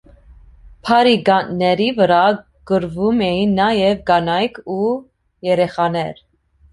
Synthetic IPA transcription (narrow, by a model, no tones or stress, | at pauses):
pʰɑɾiɡɑnnɛɾivəɾɑ | ɡ̥əɾvumɛjinːɑjɛvɡɑnɑjkʰu | jɛɾɛχɑnɛɾ